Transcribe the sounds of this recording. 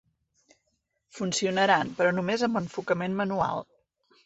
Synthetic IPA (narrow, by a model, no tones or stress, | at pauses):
funsiunəɾanpɾɔnumezəmbəɱfukəmenmənua̰lˠ